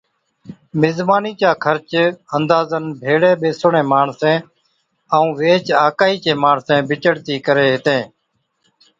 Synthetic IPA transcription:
mɪzmaːniːt͡ʃaːkʰəɾt͡ʃənd̪aːzənbʱeːɽeːɓeːsʊɳẽːmaːɳsẽː | əũːʋeːt͡ʃaːkaːiːt͡ʃẽːmaːɳsẽːbɪt͡ʃəɽt̪iːkəɾeːɦɪt̪ẽː

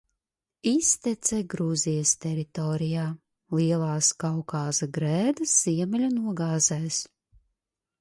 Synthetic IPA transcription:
ist̪ɛt̪sɛɡɾuzijəst̪ɛɾit̪ɔːɾijaː | liɛlˠaːskawkaːsaɡɾɛːd̪ɐsz̥iɛmɛlʲunuɔɡaːzɛːs

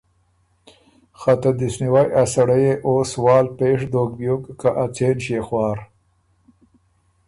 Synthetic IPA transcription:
xat̪ad̪ɪsniwajʔasaɽajeʔoːswɑːlpeːʂd̪oːk̚bjokkaʔat͡seːnʃexwɑːɾ

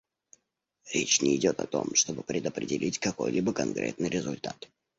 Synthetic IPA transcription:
ɾʲet͡ɕnʲɪɪdʲo̞t̪ɐt̪o̞̰mʂt̪o̞bɨpɾʲɪd̪əpɾʲɪdʲɪlʲitʲkɐko̞jlʲibəkɐnkɾʲʔe̞̰t̪nɨjɾʲɪzʊlʲt̪at̪

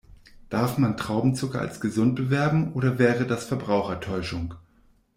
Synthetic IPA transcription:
d̥aɐfmantʁ̥aʊbm̩t͡sʊkɐa̰lsɡ̥əzʊnt̚b̥əvɛɐbm̩ʔoːɾɐvɛːʁədasfɛɐbʁaʊxɐtʰɔʏʃʊŋ

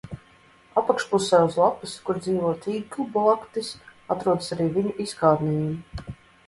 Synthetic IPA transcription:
apakʃpusɛːuzlˠapuskuɾd̪ziːvɔt̪iːɡublˠakt̪isat̪ɾuɔd̪əsaɾiːvʲiɲuʔiskaːɾnʲijum

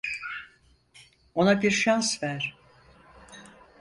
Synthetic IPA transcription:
o̞nabiɾʃansvæɾ̥

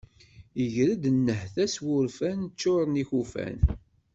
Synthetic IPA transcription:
əʝɾəd̪nːəhθæswʊɾfænt͡ʃːʊɾˤəniçufæ̰n

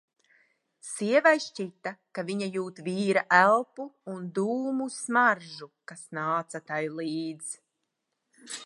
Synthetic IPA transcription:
siɛvajʃt͡ʃit̪ːakaviɲajuːt̪viːɾaʔælˠpuːnd̪uːmusmaɾʒukasnaːt̪sat̪ajlˠiːd̪z̥

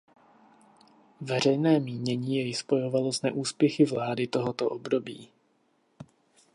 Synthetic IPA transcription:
vɛr̝ɛjnɛːmiːɲɛɲiːjɛjspo̞jo̞valoznɛʔuːspjɛxɪvlaːdɪt̪o̞ɦot̪oʔobdo̞biː

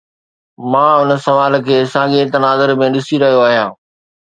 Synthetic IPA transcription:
mãːʊnə̆sɐʋaːl̆kʰeːsãːɡẽt̪ɐnaːzəɾmẽɗɪsiɾɐɦijoaːɦijãː

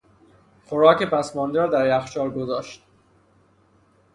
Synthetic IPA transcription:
xoɾɒːke̞pʰæsmɒːnd̪eɾɒːd̪æɾæxʃɒːɾɡozɒːʃt̪̚

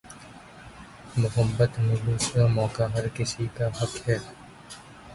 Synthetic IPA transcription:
mʊɦəbːət̪mẽɦuːsamɔːkaɦɐɾkɪsikaɦɐkɦɛː

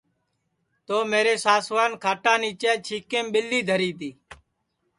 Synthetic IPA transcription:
t̪oːmeːɾeːsaːsʋaːnkʰaːʈãːniːt͡ʃeːt͡ʃʰiːkẽːmɓɪlːiːd̪ʱəɾiːt̪iː

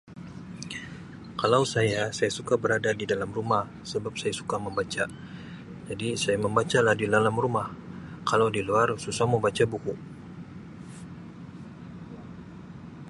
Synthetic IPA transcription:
kalawsajasajasukabəɾadadidalamrumah | səbap̚sajasu̥kaməmbat͡ʃa | d͡ʒadisajaməmbat͡ʃalahdidalamrumahkalawdiluarsusaməmbat͡ʃabuku

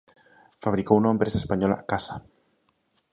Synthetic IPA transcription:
faβɾikounoempɾesaespaɲola̰kasḁ

